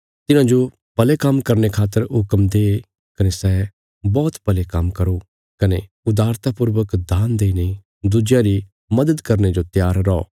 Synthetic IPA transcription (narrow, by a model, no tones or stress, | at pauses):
t̪ɪnãd͡ʒo | pɐlekɐmkɐɾnekʰaːt̪ːəɾɦʊkəmd̪eː | kɐnesɛ | bɔːt̪pɐlekɐmkɐɾo | kɐne | ʊd̪aːɾt̪apʊɾʋəkd̪aːnd̪eːine | d̪ʊd͡ʒjãɾi | mɐd̪əd̪kɐɾned͡ʒot̪jaːɾːɔɔ̰